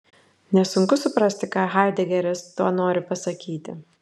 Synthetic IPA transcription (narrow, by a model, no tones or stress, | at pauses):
nʲɛsʊŋkʊsʊpɾɐsʲt̪ʲɪkɑːɦɑɪd̪ʲɛɡʲɛɾʲɪst̪uɔnoːɾʲɪpɐsɐkʲiːt̪ʲɪ̰